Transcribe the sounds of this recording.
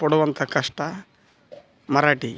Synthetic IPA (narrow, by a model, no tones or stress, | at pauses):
pɔɽɐʋɐnt̪ɐkɐʂʈɐ | mɐɾaːʈi